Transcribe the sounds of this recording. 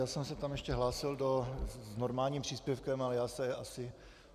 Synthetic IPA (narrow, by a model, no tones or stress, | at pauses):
jaːsɛmsɛt̪amjɛʃcɛɦlaːsɪldoznoɾmaːlɲiːmpr̝̥iːspjɛfkɛmalɛjaːsɛasɪ